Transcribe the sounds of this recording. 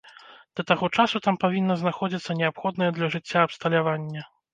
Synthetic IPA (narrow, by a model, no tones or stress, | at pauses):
d̪̥ɐt̪aɣɔt͡ʂasut̪ampavʲinːɐznaxɔd͡zʲit̪sːɐnʲɛapxɔd̪nɨjɛd̪lʲɐʐɨt͡sʲːaːpst̪ɐlʲavanʲːɐ